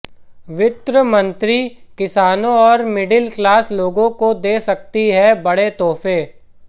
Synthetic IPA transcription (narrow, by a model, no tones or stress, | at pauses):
ʋɪt̪ɾəmɐ̃nt̪ɾikɪsaːnõɔːɾmɪɖɪlklaːsloːɡõkod̪eːsɐk̚t̪iɦɛbɐɽet̪ɔːfeː